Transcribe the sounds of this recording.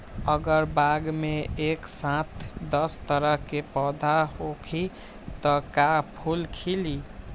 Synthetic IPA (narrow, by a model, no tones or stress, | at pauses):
əɡəɾbaɡmeeksãt̪ʰd̪ʌst̪əɾəɦkepɔd̪ʱaɦokʰi | t̪ɔkapʰulkʰili